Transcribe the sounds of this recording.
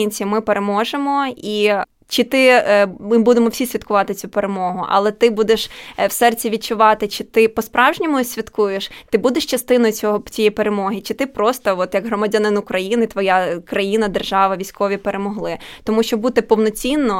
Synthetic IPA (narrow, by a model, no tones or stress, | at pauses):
inʲt͡sʲimɪpeɾemɔʒemɔi | t͡ʃɪt̪ɪmɪbud̪emɔwfsʲisʲʋʲid̪kʊʋɑt̪ɪt͡sʲupeɾemɔɦʊʔɐ̰lˠɛt̪ɪbud̪eʃwsɛrt͡sʲiʋʲid̚t͡ʃʊʋɑt̪ɪt͡ʃɪt̪ɪpɔspɾɑwʒnʲiɔmʊsʲʋʲɐt̪kujeʃt̪ɪbud̪eʃt͡ʃɐst̪ɪnɔjʊt͡sʲɔɦɔt͡sʲijɛjpeɾemɔɦɪt͡ʃɪt̪ɪpɾɔst̪ɔɔt̪jɐɡɦɾɔmɐdʲanɪnʊkɾɐjinɪt̪ʋɔjakɾɐjinɐd̪erʒɑʋɐʋʲijsʲkɔʋʲipeɾemɔɦlˠɪt̪ɔmuʃt͡ʃɔbut̪ɪpɔwnɔt͡sʲinːɔ